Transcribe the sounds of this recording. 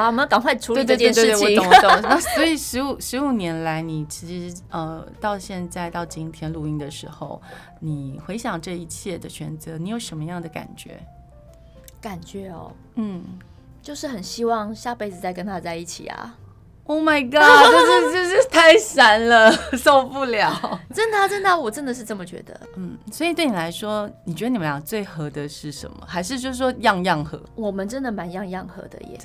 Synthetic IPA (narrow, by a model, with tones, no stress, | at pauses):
a˧wɔ˨˩mə˦kɑ˨˩ŋkʰwa˥˩ʈ͡ʂʰu˧˥we˥˧t̪we˥˧we˥˧t̪ɔ˧˥o˨˦t̪o˥˩ŋna˥˩swɔ˧˥i˨˩ʂɻ̩˧˥u˨˩ʂɻ̩˧˥u˨˩njɛ˧˥nla˧˥ɪni˨˩t͡ɕʰi˧˥ʂɻ̩˧˥ə˧t̪ɑ˥˧ʊɕjɛ˥˧nt͡sa˥˧ɪt̪ɑ˥˩ʊt͡ɕi˥ŋt̪ʰjɛ˥nlu˥˧i˧˥ŋd̪ə˨ʂɻ̩˧˥xo˥˧ʊ | ni˨˩xwe˧˥ɪɕjɑ˨˩ŋʈ͡ʂɤ˥˧i˧˥t͡ɕʰjɛ˥˩d̪ə˩t͡ɕʰɥɛ˧˥nt͡sɤ˧˥ni˧˥jo˨˩ʊʂə˧˥nmə˧jɑ˥˩ŋd̪ə˩ka̰˨˩nt͡ɕɥɛ̰˧˥˦ | ka˨˩nt͡ɕɥɛ˧˥ɔ̰˨˩ | n̩˥˩ | t͡ɕjo˥˧ʊʂɻ̩˥˩xə˨˩nɕi˥wɑ˥˧ŋɕja˥˧pe˥ɪt͡sɹ̩˨˩t͡sa˥˩ɪkə˦nt̪ʰa˥˧t͡sa˥˧ɪi˥˩t͡ɕʰḭ˨˩ɐ̰˩ | o˥˩ʊma˨˩ɪɡɑ˥˩jo˥˧ʂ̩˥˧t͡ɕo˥˧ʊʂɻ̩˥t̪ʰa˥˩ɪʂa˦˥nlə˨so˥˧ʊpu˥˩ljɑ˨˩˦ʊʈ͡ʂə˥nd̪ə˨˥˩ʈ͡ʂə˥nd̪ə˥˩wɔ˨˩ʈ͡ʂə˦˥nd̪ə˨ʂɻ̩˥˧ʈ͡ʂɤ˥˩mə˨˩t͡ɕɥɛ̰˧˥d̪ə̰˨n̩˥˩swɔ˧˥i˨˩t̪we˥˩ɪni˨la˧˥ɪʂwɔ˦˥ni˨˩t͡ɕɥɛ˧˥də˧ni˨˩ə˦jɑ˨˩t͡swe˥˩ɪxɤ˧˥d̪ə˨ʂɻ̩˥˩ʂə̰˧˦nmə̰˨xa˧˥ɪʂɻ̩˥˧t͡ɕjo˥˧ʊʂɻ̩˥˩ʂwɔ˥jɑ˥˧ŋjɑ˥˩ŋxɤ˧˦wɔ˨˩mə˦nʈ͡ʂə˦˥nd̪ə˨ma˧˦njɑ˥˧ŋjɑ˥˩ŋxɤ̰˧˥d̪ə̰˧jɛ̰˨˩